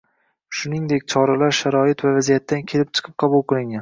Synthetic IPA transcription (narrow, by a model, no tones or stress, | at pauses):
ʃʊnɪŋd̪ekʲt͡ʃʰɒɾalaɾʃaɾɒɪt̪vavazijat̪ːankʲʰe̞lɪp̚t͡ʃʰɨ̥qʰɨ̥p̚qʰɑbulˠqɨlˠɪŋʲan